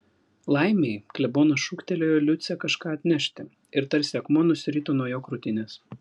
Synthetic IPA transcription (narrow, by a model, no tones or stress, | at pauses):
lˠɑɪmʲeɪklʲɛboːnoːʃuːkʲt̪ʲɛlʲoːjoːlʲʊt̪sʲɛkɐʃkɑːɐt̪ʲnʲɛʃʲt̪ʲɪ | ɪɾt̪ɐɾʲsʲɛkmoːnʊsʲɪɾʲiːt̪oːnuɔjoːkɾʊt̪ʲɪnʲeːs